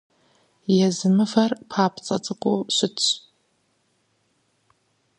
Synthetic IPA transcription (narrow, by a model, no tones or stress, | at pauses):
jɛzɨmɨfɐrpʰaːpʰt͡sʼɐt͡sʼɨkʷʼʊɕʷɪt